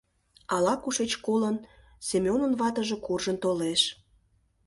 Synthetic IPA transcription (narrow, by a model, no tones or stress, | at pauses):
ɑlɑkuʃet͡ɕkolən | sʲemʲonənβɑt̪əʒe̽kurʒənt̪oleʃ